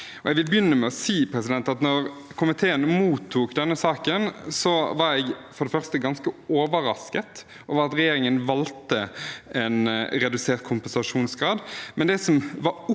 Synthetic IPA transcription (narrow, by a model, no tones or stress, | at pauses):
ɔjɛɡʋɪlbjʏnːəmɛɔsiːpʰɾɛsɪd̪ɛnt̪ɑt̪nɔʁkʰʊmɪt̪ʰeːənmuːt̪ʰːuːkd̪ɛnːəsɑːkənsɔʋɑɾɛɡfɔɾɖ̪ɛfœʁst̪əɡɑnskəoːʋəɾɑskət̪ | oːʋəɾɑt̪ɾɛjeːɾɪŋənʋɑlt̪əɛnɾɛd̪ʉseːɾt̪̚kʰʊmpɛnsɑʂuːnsɡɾɑːd̪mɛnd̪ɛsɔmʋɑʊ